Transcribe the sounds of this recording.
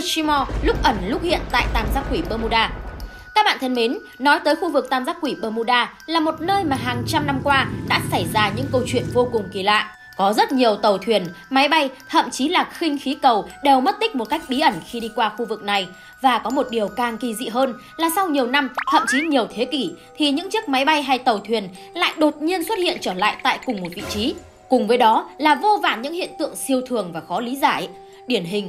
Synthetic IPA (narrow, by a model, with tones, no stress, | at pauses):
t͡ɕi˧mɔ˧lʊ˦˥k͡p̚ʔə˧˩nlʊ˦˥k͡p̚hḭ˧˨ənt̪a̰ː˧˨jt̪aː˧mzaː˦˥k̚kwi˧˩ɓəː˧mu˧ɗaː˧ | kaː˦˥k̚ɓa̰ː˧˨t̪ʰə˧nme˨˦n | nɔ˨˦jt̪əː˨˦jxu˧vɨ˨˩k̚t̪aː˧mzaː˦˥k̚kwi˧˩ɓəː˧mu˧ɗaː˧ | laː˨˩mo˨˩t̚nəː˧jmaː˨˩ɦaː˨˩ŋt͡ɕa˧mna˧mkwaː˧ɗa̰ː˧˥sa˧˩jzaː˧ɲɨ̰˧˥ŋkə˧wt͡ɕwḭ˧˨ənvo˧kʊ˨˩ŋ͡mki˧˨˩la̰ː˧˨jʔ | kɔ˨˦zə˦˥t̚ɲi˨˩əwt̪ə˨˩wt̪ʰwi˨˩ənma˨˦jɓa˧jt̪ʰə̰˧˨mt͡ɕi˨˦laː˨˩xï˧ŋ̟xi˨˦kə˨˩wɗe˨˩wmə˦˥t̚t̪ï˦˥k̟̚mo˨˩t̚ka˦˥jk̚ɓi˨˦ʔə˧˩nxi˧i˧kwaː˧xu˧vɨ˨˩k̚na˨˩j | vaː˨˩kɔ˨˦mo˨˩t̚ɗi˨˩əwkaː˨˩ŋki˧˩zḭ˧˨ɦəː˧n | laː˨˩sa˧wɲi˨˩əwna˧mt̪ʰə̰˧˨mt͡ɕi˨˦ɲi˨˩əwt̪ʰe˨˦ki˧˩t̪ʰi˨˩ɲɨ̰˧˥ŋt͡ɕi˦˥ək̚ma˨˦jɓa˧jɦa˧jt̪ə˨˩wt̪ʰwi˨˩ən | la̰ː˧˨jɗo˨˩t̚ɲi˧ənswə˦˥t̚hḭ˧˨ənt͡ɕəː˧˩la̰ː˧˨jt̪a̰ː˧˨jkʊ˨˩ŋ͡mmo˨˩t̚vḭ˧˨t͡ɕi˨˦ | kʊ˨˩ŋ͡mvəː˨˦jɗɔ˨˦laː˨˩vo˧va̰ː˧˩nɲɨ̰˧˥ŋhḭ˧˨ənt̪ɨ̰˧˨əŋsi˧əwt̪ʰɨ˨˩əŋvaː˨˩xɔ˨˦li˨˦zaː˧˩j | ɗi˧˩ənɦï˨˩ŋ̟